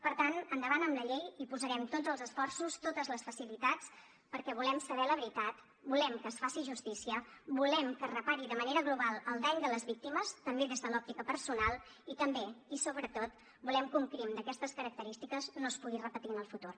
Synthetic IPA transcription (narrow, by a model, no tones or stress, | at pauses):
pəɾt̪anənd̪əβanəmləʎejipuzəɾɛmt̪od͡zzəlˠzəsfɔrsust̪ot̪əzləsfəsilit̪at͡s | pəɾkɛβ̞ulɛmsəβɛləβɾit̪at̪ | bulɛmkəsfasiʒust̪isiəbulɛmkərəpaɾiðəməneɾəɣluβalˠəlˠd̪ɛʎd̪ələzβik̚t̪iməst̪əmbeðezðəlɔp̚t̪ikəpəɾsunalˠ | it̪əmbeisoβɾət̪ot̪̚ | bulɛmkuŋkɾimd̪əkɛst̪əskəɾək̚t̪əɾist̪ikəznospuɣirəpət̪iənəlˠfut̪ur